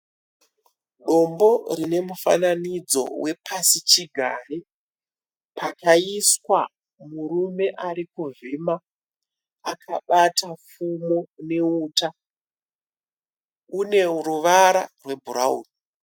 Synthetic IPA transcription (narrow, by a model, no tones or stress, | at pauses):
ɗo̞mbo̞rine̞mufa̰nanid͡zo̞̰we̞pʰasit͡ʃiɡʱare | pakaiswa̰ | murume̞ʔarikuvima | akʰaɓatafumone̞uːta | une̞ɾuʋaɾarwe̞bʱuɾa̰ṵːni